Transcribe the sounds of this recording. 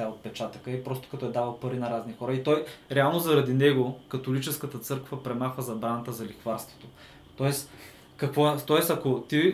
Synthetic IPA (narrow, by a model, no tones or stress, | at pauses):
aot̪̚pɛt͡ʃat̪əkəipɾɔst̪o̥kɐt̪ɔɛd̪avəlˠpɐɾinɐɾaznixɔɾəit̪ɔjɾɛalˠnozɐɾɐd̪inɛɡokɐt̪olit͡ʃɛskət̪ət̪sɤɾkvɐpɾɛmaxvəzɐbɾanɐt̪əzɐlixvaɾst̪vo̥t̪o | t̪ɔɛs | kɐkvɔɛt̪ɔɛsɐkot̪i